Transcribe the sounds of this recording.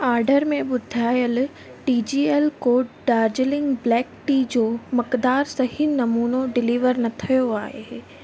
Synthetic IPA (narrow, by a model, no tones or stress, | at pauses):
aːɾɖəɾmẽɓʊd̪ʱaːjəl | ʈiːd͡ʑiːelkoːʈɖaːɾd͡ʑɪlɪ̃ŋɡblɛːkʈiːd͡ʑoːmɐkd̪aːɾsɐɦinɐmuːnoɖɪliːʋəɾnɐt̪ʰɐjoaːɦe